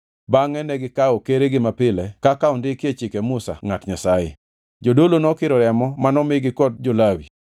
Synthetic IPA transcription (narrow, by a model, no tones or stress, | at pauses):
baŋɛnɛɡɪkaɔkeɾeɡɪmapɪlɛkakaɔndɪkɪet͡ʃɪkɛmʊsa̰ŋatɲasajḛ | d͡ʒodolonɔkɪɾɔɾɛmɔmanɔmɪɡɪkɔt̚d͡ʒolawi